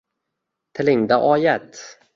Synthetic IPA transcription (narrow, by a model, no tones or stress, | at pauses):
t̪ʰɛlɪŋd̪aʔɔjɛt̪